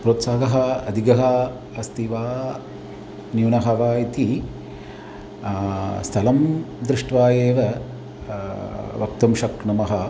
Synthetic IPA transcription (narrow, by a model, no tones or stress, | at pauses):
pɾoːt̪saːɡɐɦɐɐd̪ʱiɡɐɦɐ | ɐst̪iʋaː | njuːnɐɦɐʋaːit̪i | st̪ʰɐlɐmd̪ɾɪʂʈʋaːjeːʋɐ | ʋɐk̚t̪ɐmʃɐkɳɐmɐɦɐ